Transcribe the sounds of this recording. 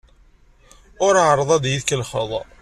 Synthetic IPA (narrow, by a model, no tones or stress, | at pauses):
ʊɾaʕəɾˤðˤɑðjiðkəlχə̰ðˤ